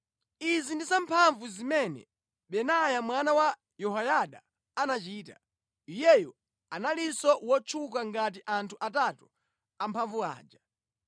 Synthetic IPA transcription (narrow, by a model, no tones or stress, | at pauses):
izindisampʰaɱvuzimɛnɛ̰ | ɓɛnajamwanawa | jɔɦajaɗa̰ː | nat͡ʃiːta | ijɛjɔ | analisɔwɔt͡ʃʰuk̬aŋɡat̬iʔantʰuʔatatu | ampʰaɱvua̰ːd͡ʒa